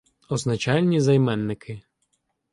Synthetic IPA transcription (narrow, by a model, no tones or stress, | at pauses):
ɔznɐt͡ʃɑlʲnʲizɐjmɛnːɪkʰɪ